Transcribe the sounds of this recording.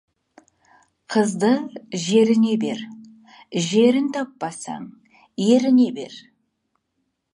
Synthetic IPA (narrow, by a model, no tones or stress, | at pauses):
qʰəzd̪əʒe̞ɾɪne̞be̞̰ɾ | ʒe̞ɾɪnt̪ʰɑpːɑsɑ̰ɴ | je̞ɾɪne̞be̞̰ɾ